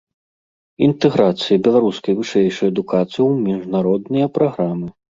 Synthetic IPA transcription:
int̪ɛɣɾat̪sɨjɐbʲɛlˠaɾuskɐjvɨʂɛjʂɨjɐd̪ukat̪sɨjiwmʲiʐnaɾɔd̪nɐjɐpɾaɣɾamɨ

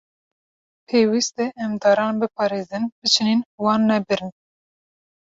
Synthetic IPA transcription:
pʰeːwist̪ɛʔɛmd̪ɑːɾɑːnbɨpʰɑːɾeːzɨnbɨt͡ʃʰiniːnwɑːnːɛbɨɾɨn

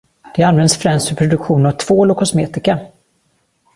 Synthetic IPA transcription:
d̪̥ɛanvɛnd̪sfɾɛmst̪fœpʰɾʊd̪ɵkɧuːnavt̪ʰvoːlʊkʰɔsmeːt̪ɪka

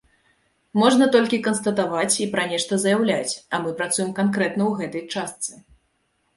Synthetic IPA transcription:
mɔʐnɐt̪ɔlʲkʲikɐnst̪ɐt̪avat͡sʲipɾɐnʲɛʂt̪ɐzɐjawlʲat͡sʲɐmɨpɾat̪sujɛmkankɾɛt̪nɐwɣɛt̪ɐjt͡ʂast̪sɨ

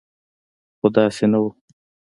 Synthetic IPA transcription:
xʊd̪ɑːsenawu

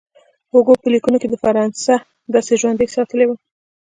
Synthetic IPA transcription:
hʊɡopəlikunoked̪əfaɾɑnsa | d̪ɑseʒwand̪esɑt̪əlewa

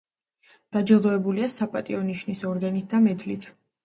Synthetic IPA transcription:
d̪̥ad͡ʒɛlˠd̪ɔɛbuliasapʼat̪ʼiɔniʃnisɔɾɡ̪anit̪̚ʰd̪amɛd̪lit̪ʰ

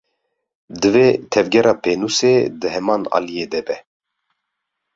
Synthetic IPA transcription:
d̪ɨveːt̪ʰɛvɡʲɛɾɑːpʰeːnuseːd̪ɨhɛmɑːnɑ̰ːlijeːd̪ɛbɛ

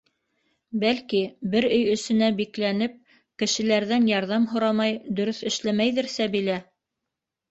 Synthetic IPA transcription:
bælkibɘɾɵjɵ̆sɘ̆næbiklænɘp̚ | kɘ̆ʃɘ̆læɾðænjɑɾðɑmɦŏɾɑmɑjd̪ɵ̆ɾɵθɘ̆ʃlæmæjðɘ̆ɾsæbilæ

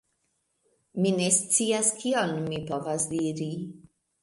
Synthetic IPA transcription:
minest̪t͡siːaskʰionmipovasd̪iːɾi

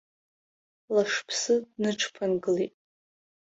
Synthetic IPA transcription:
laʂpʰsɨdnɨʈ͡ʂʰpʰanɡɨlitʼ

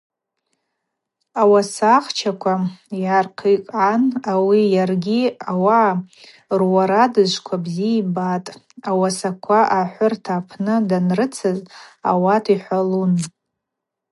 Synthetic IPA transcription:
awasaχt͡ʃʰakʷʰajarqʰikʼʕanawijarɡʲiawaʕː | rwaɾadɨzʷkʷʰabziibatʼ | awasakʷʰaʔaħʷʊrtʰaːpʰnɨdanrɨt͡sʰɨza̰watʰiħʷalun

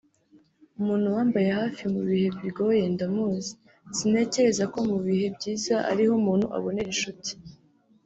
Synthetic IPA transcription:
umuːn̥huwaːmbaje̞haːfiumuβihe̞βiɡo̞oje̞ndamuzi̥ | z̥ine̞ce̞ɾe̞zako̞muβihe̞bɟiːzaʔa̰ɾihomuːn̥huʔa̰βo̞ne̞ɾiʃuti̥

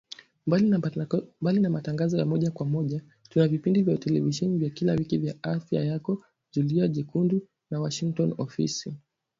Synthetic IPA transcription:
mbalinamataŋɡazɔjamɔʄakwamɔʄa | tunavipindivjautɛlɛ̰viʃɛnivjakilawikivjaafja̰jakɔ | ʄuliaʄikundu | nawaʃiŋk̚tɔnɔ̰fḭsi

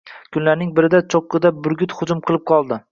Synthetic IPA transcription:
kʰʊnlaɾnɪŋbɪɾɪd̪at͡ʃʰoqːɨd̪abʊɾɡʲʊt̪χʊd͡ʒʊmqʰɨlˠɪp̚qʰɒlˠd̪ɪ

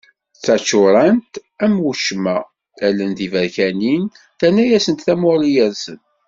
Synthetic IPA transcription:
t͡sːæt͡ʃːʊɾˤənt̪æmwuʃmæ | ælːənðivæɾçænin | θænæjæsənt̪θæmʊɾijæɾsən

